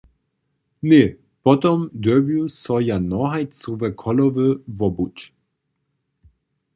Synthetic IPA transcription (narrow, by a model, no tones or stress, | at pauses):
ne | pɔt̪ɔmd̪øbjusɔjanɔɦajt͡suvɛkʰɔlɔvəvɔbut͡ʃ